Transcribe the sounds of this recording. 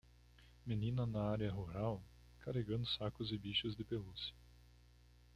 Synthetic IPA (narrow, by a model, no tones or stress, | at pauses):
menĩnɐnɐaɾjɐɦuɾaw | kaɦeɡɐ̃nd̪ʊsakʊzɪbiʃʊzd̪ɪpelusɐ